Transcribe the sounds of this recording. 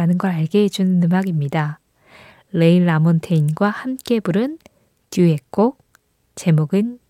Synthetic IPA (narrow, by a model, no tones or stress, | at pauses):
anɯnɡʌɾaɭɡe̞ɦed͡ʑunɯnːɯmaɡimɲida | ɾe̞iɭːamontʰe̞inɡwahamk͈e̞buɾɯn | tjuɦe̞k̚k͈ok̚ | t͡ɕe̞moɡɯn